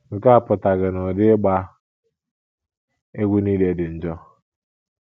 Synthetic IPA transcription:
ŋ̩˨ka˦a˨pʊ˨ta˨ɡɪ˨nʊ˨dɪ˦ɡ͡ba˦ | e˦ɡʷu˦niː˦le˦dɪ˨n̩˨d͡ʒɔ˦

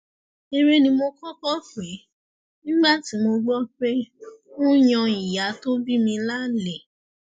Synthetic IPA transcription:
e˧ɾe˦nĩ˧mo˧kɔ˦kɔ˦fe˨˦ | nĩ˦ɡ͡ba˦˨ti˨˦mo˧ɡ͡bɔ˦k͡pe˦ũ˦jɔ̃˧i˨ja˨˦to˦bi˦mĩ˧la˦˨le˨

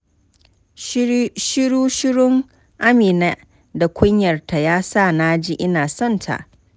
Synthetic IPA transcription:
ʃɪ˦ɽuː˦ʃɪ˦ɽʊ˦ŋ | ʔa˦miː˨na˦ | da˨kʷʰʊ˦ɲjɐ˨rta˨jaː˦sa˦˨naː˦d͡ʒi˦ʔɪ˦naː˨sɔ˦˨ntʰa̰˨ʔ

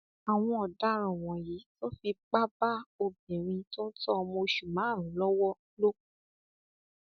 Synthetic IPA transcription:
a˨w̃ɔ̃˧ɔ˨da˨˦ɾ̃ũ˨w̃ɔ̃˨ji˨˦to˦fi˧k͡pa˦ba˦o˧bĩ˨ɾ̃ĩ˧tɔ˦tɔ˦ɔ˧mɔ̃˧ʃu˨mãː˨˦ɾ̃ĩ˨˦lɔ˦wɔ˦ | lo˦u˦

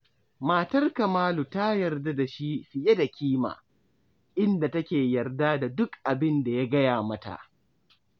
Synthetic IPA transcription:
maː˨tɐ˦rkɐ˨maː˦lu˨ta˦jɐ˨rda˦da˨ʃi˦ɸɪ˨je˦da˨kʲiː˦ma̰ː˨ | ʔɪ˦nda˨tɐ˦kʲeː˨jɐ˨rda˦da˨dʊ˦kʔa˨bɪ˦nda˨ja˦ɡɐ˦jaː˨mɐ˦ta̰˨ʔ

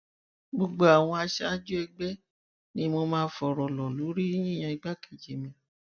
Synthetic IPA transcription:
ɡ͡bo˧ɡ͡bo˨˦a˨w̃ɔ̃˧a˧ʃɛ˦a˦d͡ʒu˦ɛ˧ɡ͡bɛ˦ | nĩ˨˦mo˧mãː˦fɔ˨ɾɔ˨lɔ˨lu˨˦ɾi˦j̃ĩ˦˨j̃ã˧i˧ɡ͡ba˦ki˨d͡ʒe˨mĩ˨

